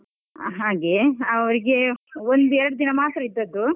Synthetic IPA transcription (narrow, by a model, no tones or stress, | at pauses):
ɦaːɡe̞ɐʋɐɾiɡe̞ond̪uɛɾɐɽud̪inɐmaːt̪ɾɐid̪ːɐd̪ːu